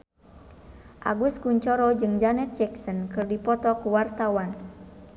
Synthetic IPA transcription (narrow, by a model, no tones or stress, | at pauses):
ʔa̰ɡuskuɲt͡ʃɔɾɔd͡ʒɨŋd͡ʒanɛt̪̚d͡ʒɛksɔnkɨrdipɔt̪ɔkuwart̪awan